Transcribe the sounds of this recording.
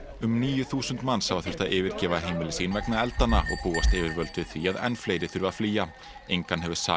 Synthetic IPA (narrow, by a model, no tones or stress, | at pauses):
ʏmniːjʏθuːsʏnt̪manːsaːwaθɛɾ̥t̪aðʔɪːvɪɾ̥cɛːvaɦeːjmɪlɪsiːnvɛknaɛlt̪anːaɔ̰ɣpuːast̪ɪːvɪɾvœlt̪vɪθviaðɛ̰nːfleːjɾɪθʏɾvafliːja | ejŋkanɦɛvʏ̥sa̰